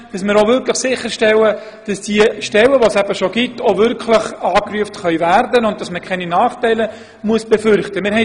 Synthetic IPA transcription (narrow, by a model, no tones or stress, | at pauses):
d̥ɑsmɪːɾoʋʏɾkʰləχsɪχːəɾʃtɛlə | d̥ɑsd̥iəʃtɛləʋosæb̥əʃoɡ̥itʰːovʏɾkʰləχɑːkryəftχœʏværdənʊnt̚d̥ɑsməkʰχɛninɑːχtɛɪlə | muəsb̥efʏɾχtəmɪɾhɦɛ